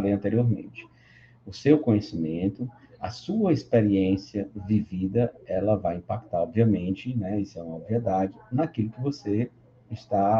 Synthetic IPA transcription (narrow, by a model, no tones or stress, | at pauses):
lejɐ̃nt̪eɾioɾmḛ̃nt͡ʃɪ̥ | ʊsewkõɲesimẽnt̪ʊ | ɐ̰suɐispeɾiẽsiɐvivid̪ɐɛlɐvajĩpak̚t̪aɾɔbviɐmẽnt͡ʃɪnɛisʊɛũmɐbviɛd̪ad͡ʒɪnakilʊkɪvose | ɪst̪a